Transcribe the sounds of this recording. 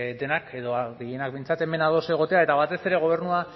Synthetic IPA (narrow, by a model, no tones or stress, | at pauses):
d̪e̞nake̞ðo̞aɣeje̞nak̚bejnt͡sat̪e̞me̞naðo̞se̞ɣ̞o̞t̪e̞ae̞t̪aβat̪e̞se̞ɾe̞ɣ̞o̞β̞e̞ɾnua